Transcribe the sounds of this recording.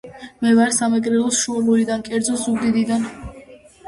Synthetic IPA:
mɛvaɾsamɛɡʼɾɛlˠɔsʃuɔluɾid̪ankʼɛɾd̪zɔsuɡd̪id̪id̪an

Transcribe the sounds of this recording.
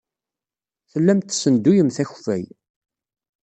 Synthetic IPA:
θəlːæmt̪ːsənd̪ujəmθæçfæ̰j

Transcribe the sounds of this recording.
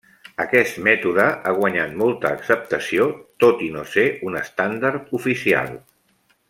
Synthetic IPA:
əkɛst̪mɛt̪uðəʔaɣ̞wəɲat̪molˠt̪əːksəp̚t̪əsiot̪ot̪inoseunəst̪and̪aɾt̪ufisia̰lˠ

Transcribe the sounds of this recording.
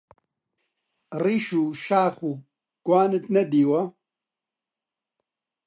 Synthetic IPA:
riʃuːʃaːχu | ɡ̥waːnɨt̪nɐd̪iːwɐ

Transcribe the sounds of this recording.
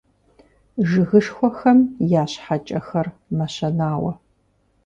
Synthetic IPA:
ʒɨɣɨʂxʷɔxɐmjaːɕħat͡ʃʼɐxɐrmɐɕɐnaːwɐ̰

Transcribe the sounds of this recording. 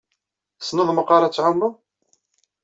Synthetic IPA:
snoðˤməqɑɾˤɑt͡sːʕʊmːu

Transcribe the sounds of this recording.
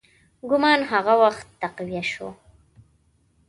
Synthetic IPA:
ɡʊmɑnɦaɣawaxt̪ːaqwijaʃo̰

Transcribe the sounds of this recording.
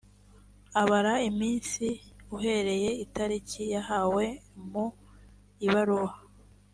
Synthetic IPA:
aβaɾaimiːnsiuɦe̞ɾe̞je̞itaɾicijaɦawe̞mu | iβaɾuwa

